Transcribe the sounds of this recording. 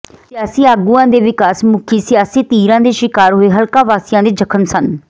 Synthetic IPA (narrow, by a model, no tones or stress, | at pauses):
sɪjaːsĩːaːɡũːãːd̪eːʋɪkaːsmʊkʰiːsɪjaːsiːt̪iːɾãːd̪eːʃɪkaːɾɦoːeːɦəlkaːʋaːsɪjãːd̪eːd͡ʒəkʰənsən